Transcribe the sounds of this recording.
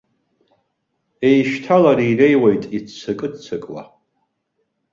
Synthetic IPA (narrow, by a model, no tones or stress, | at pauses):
ejʃtʰalaɾirejwajtʼidt͡sʰɨkʼɨdt͡sʰɨkʼwa̰